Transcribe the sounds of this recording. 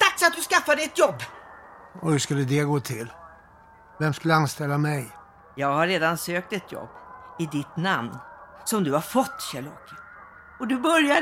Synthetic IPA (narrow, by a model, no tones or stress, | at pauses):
t̪ʰakːsat̪̚d̪ɵskafːad̪ɪt̪jɔbː | ɔhɵskɵlːəd̪ɛɡoːt̪ʰɪl | vɛmskɵlːəanst̪ɛlːamɛj | jɑːɡhaːeːd̪ansøːk̚t̪ɛt̪ʰjɔ̰bːɪd̪ɪt̪namnsɔmd̪ɵhaɾfɔt̪ːɕæɭɔ̰ːkːə | ɔd̪ɵbœɾja